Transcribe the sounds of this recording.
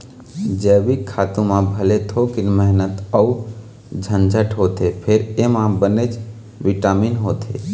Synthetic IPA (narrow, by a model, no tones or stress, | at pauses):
d͡ʒəːʋikʰːaːt̪ũmãbʱəlet̪ʰokɪnməɦnət̪əu | d͡ʒʱə̃nd͡ʒʱəʈɦoːt̪epʰeɾemãbənet͡ʃ | ʋɪʈaːminɦoːt̪ʰḛ